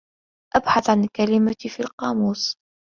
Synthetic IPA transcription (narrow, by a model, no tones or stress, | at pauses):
ʔabħaθʕankalɪmafilqɑːmuːs